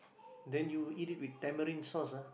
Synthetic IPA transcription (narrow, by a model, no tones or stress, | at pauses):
dɛ̃njuitit̚wid̚tɛ̃məɾĩnsɔsa